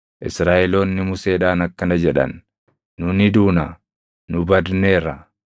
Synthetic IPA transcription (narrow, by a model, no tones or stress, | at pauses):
ʔɪsɾaːʔɛlo̞ːnːɪmʊse̞ːᶑaːnɐkːɐnɐd͡ʒɛᶑɐ̰nː | ʊnɪd̪uːnɐ | nʊbɐd̪ne̞ːrːɐ